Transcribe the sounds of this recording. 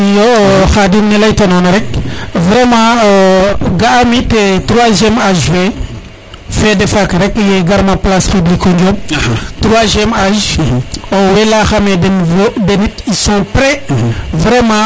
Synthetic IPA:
joxadimnelaitononaɾekvɾemã | ɡaamitetɾwazemaʒve | fedefakaɾekjeɡaɾmãplasxiblikond͡ʒomtɾaʒemaʒ | owelaxamedenvodenitisɔ̃pɾevɾemã

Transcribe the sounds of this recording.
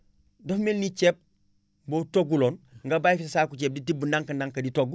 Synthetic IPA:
dɐfmelnit͡ʃep̚ | boːtoɡːuloːnŋɡabajfissakut͡ʃeːp̚ditibːunaŋkɐndaŋkɐditoɡ

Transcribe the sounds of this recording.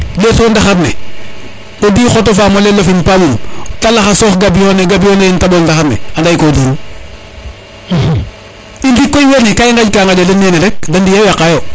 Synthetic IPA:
lesoːndaxaɾnḛ | odiːxotofamolelofinpamumtalaxasɔːxɡabijoneɡabijoneintabondaxanɛ̰andajkodiːn | indikːojwenikajiŋɡad͡ʒkaŋɡaɟalinːenelɛk̚dandijawjakajo

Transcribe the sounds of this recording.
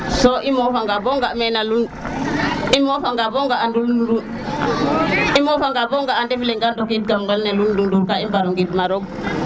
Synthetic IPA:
soʔimofaŋɡaboŋɡamɛnalun | imofaŋɡaboŋɡaanduludu | imofaŋɡaboŋɡaːndefleŋɡandokit̚kamɡalnelundunduɾkaimbaɾuŋɡitmaɾoɡ̚

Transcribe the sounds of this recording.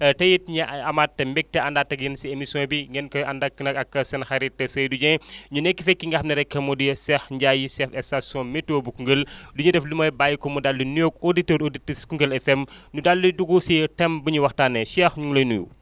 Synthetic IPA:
tɐjit̚ɲɐɐmatːɐmbɛk̚tɛɐndaːtːɐk̚jɐnsiemisjɔ̃ːbiŋɡɛnkɐɐndɐkːnɐkɐkːɐsɐnxɐɾitːɐsɐjduɲɛɲunɛkːifɛkːiŋɡɐxnɐɾɛkːɐmɔdisɛxɲɟajisɛfɛsasjɔ̃mɛtːoːbukuŋɡəlduɲɛdɛflumɐːjbajikɔmudalːunjokoditəːɾoditiskuŋɡəlɛfɛmnudalːuduɡusitɛmbɐɲuwɐxtaːnːɛʃɛːxɲuŋlɐjnujṵ

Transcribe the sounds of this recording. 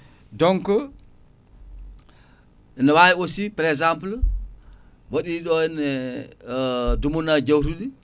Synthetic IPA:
dɔŋkɔ | ɛnawajosipaɾɛkzampl | waɗiːɗɔɛnɛ | dumunad͡ʒawɾuɗi

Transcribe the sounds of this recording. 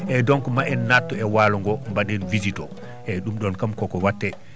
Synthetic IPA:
ʔɛdɔŋkɔmaʔɛnːatːɔɛwalɔŋɡɔmbaɗɛnvizitɔ̰ | ʔɛɗumɗɔnkamkɔkɔwatːɛ

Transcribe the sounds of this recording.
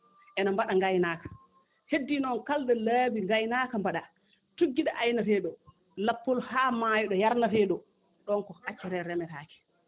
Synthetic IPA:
ʔɛnambaɗaŋɡajnaːkḁ | hedːinɔnkaldɛlabiŋɡajnaːkambaɗa | tuɡːiɗaʔajnafɛɗɔ | lapːɔlhaːmajɔɗɔjaɾnafɛɗɔ | ɗɔnkɔat͡ʃːɛɾɛɾɛmɛtaːkɛ̥

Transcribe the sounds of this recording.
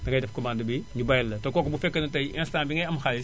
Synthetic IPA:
nɐŋɡɐjdɛfkɔmaːndɐbiɲubɐjlːɐtɐkɔːkɐbufɛkːɐnɐtɐjɛ̃nstaːnbiŋɡɐjɐmxal

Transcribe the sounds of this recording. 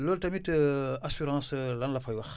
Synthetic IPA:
loːltɐmitasyɾɑ̃ːslɐnlɐfajwɐx

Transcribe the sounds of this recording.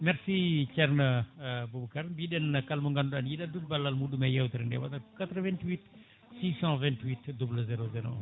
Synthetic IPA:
mɛɾsiːt͡ʃɛrnəbubukaɾbiːɗɛnkɐlmuŋɡanɐnjiɗɐdulbɐlːalmuɗumɛjɛwt̪iɾndɛ̰wa̰dɐkat̪ɾəvɛ̃ntwit̪ | siːsɑ̃vɛ̃ntwit̪dubləzɛɾozɛɾo̰

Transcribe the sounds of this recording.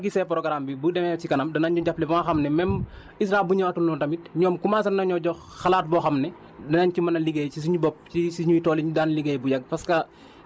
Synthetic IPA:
ɡisɛpɾɔɡɐɾambibudɛmɛcikɐnɐmdɐnaɲɟuɟaplɛbɐŋaxɐmnɛmɛm | is̬ɾaːbuɲaatunːutɐmit̚ɲɔːmkumasɐnnɐɲɔɟɔ | xɐlaːt̚bɔːxɐmnɛ | dɐnaɲt͡ʃimɐnɐliɡejcis̬iɲubɔp̚isiɲuitɔːliɲdaːnliɡeːjbujɐɡ̚pɐskɐ

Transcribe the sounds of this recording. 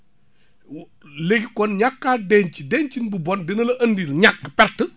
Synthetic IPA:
leɡikɔnɲakːaːdɛɲcidɛɲt͡ʃinbubɔndɛnɐlɐʔɐndiːɾɲakːpɛɾtːə

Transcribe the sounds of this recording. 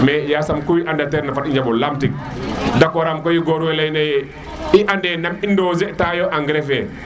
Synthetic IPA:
mɛjasamkujiʔandatɛɾnafatiɲd͡ʒabɔlamtik̚ | dakwɔɾamkɔjiɡoɾuwɛlajnajɛ | iʔandɛnamindozɛtajoʔaŋɡɾɛfɛ

